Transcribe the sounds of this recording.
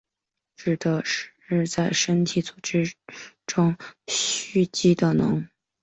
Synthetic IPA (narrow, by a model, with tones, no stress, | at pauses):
ʈ͡ʂɻ̩˨˩d̪ə˧˦ʂɻ̩˧˩ʂɻ̩˥˧t͡sa˥˩ɪʂə˥nt̪ʰi˨˧˩t͡su˨˩ʈ͡ʂɻ̩˥ | ʈ͡ʂʊ˥ŋɕy˥˩t͡ɕi˥d̪ə˨nɤ̰˧˥ŋ